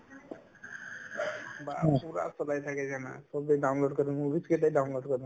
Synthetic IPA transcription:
bapuɾa̰sɔlajt̪ʰaked͡ʒana̰sɔbeɖawnloɖkɔɾinbʱiskeʈ̪ajɖawnloɖkɔɾi

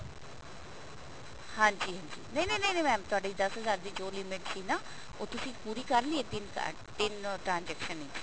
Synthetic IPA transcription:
hãːɲd͡ʒiːɦãːɲd͡ʒiːnɐinẽnə̃inẽmɛ̃ːmt̪ʊaːɖiːd̪ɐsɦəzaːɾd̪iːd͡ʒoːlɪmɪʈsiːnaː | oːt̪ʊsĩːpuːɾiːkəɾlieːd̪ɪnka̰ | d̪ɪnʈɾãːnd͡ʒɛːkʃənĩ

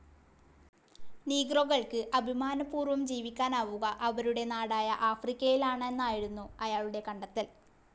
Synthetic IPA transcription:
niːɡroɣɐɭkɨʔɐbʱimaːnɐpːuːrʋɐmd͡ʑiːʋikʲːaːnaːʋuɣɐʔɐʋɐɾuɽe̞naːɽaːjɐʔaːfrikʲːɐjilaːɳɨe̞nːaːjiɽunːuɐjaːɭuɽe̞kɐɳɖɐt̪ːil

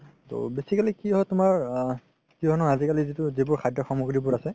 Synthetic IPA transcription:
to̰besikalikiɦɔtʊmaɹ | kiɦɔnɔazikalizitʊzibʊɹkʰajdɔxɔmuɡɹibʊɹasɛ

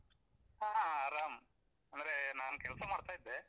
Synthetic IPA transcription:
aːaɐɾaːm | ɐnd̪ɐɾenaːnkɛɭɐsɐmaːɽt̪aːjid̪ːe

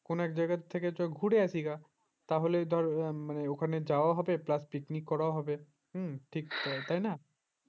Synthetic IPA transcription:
konoɛkd͡ʒaɡat̪ʰːeket͡ʃɔeɡʱuɽeasʰika | t̪aɦoled̪ʱɔɾmaneokʰaned͡ʒawaɦɔbeplaspiknikːɔɾaaɦɔbe | ʈʰikt̪ajna

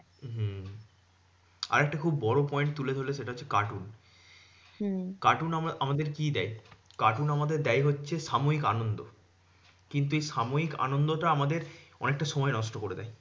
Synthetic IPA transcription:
ɦ̩ | a̰ɾɛk̚ʈakʰubːɔɾopɔeɳʈ̚t̪uled̪ʱoɾleʃeʈaɦot͡ɕːʰe̥kaʈun | kaʈunaamad̪eɾkid̪ɛjkaʈunamad̪eɾd̪ɛjɦotːɕʰeʃamoikanond̪o | kint̪̬uejʃamoɦika̰nond̪oʈaamad̪eɾɔ̰nek̚ʈaʃɔmɔenɔʃʈokoɾed̪ɛj

